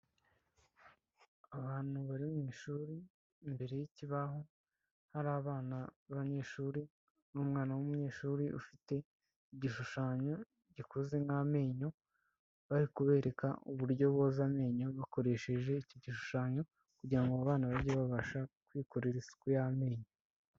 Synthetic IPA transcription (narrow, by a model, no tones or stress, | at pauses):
aβaːn̥huβaɾimumiʃuːɾiː | mbe̞ɾe̞jiciβaɦo̞ | haɾaːβaːnaβaɲe̞ːʃuːɾi | nuːmŋaːnawumuɲɲe̞ːʃuːɾiʔṵfite̞ | iɟiʃuʃaːɲo̞ | ɟikozeŋaːme̞ːɲo̞ | βaɾikuβe̞ːɾe̞ka̰uβuɾɟo̞βo̞zame̞ːɲo̞βako̞ɾe̞ʃe̞ʒe̞icoɟiʃu̥ʃaːɲo̞ | kuɟiɾaŋɡoaβaːnaβaɾɟeβaβaʃakwiːko̞ɾeɾisi̥kujame̞ːɲo